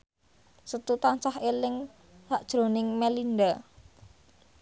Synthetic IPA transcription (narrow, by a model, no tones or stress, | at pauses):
sət̪ut̪ant͡ʃaɦelɪŋ | saʔd̥ʒ̥ɾo̤nɪŋmelind̪a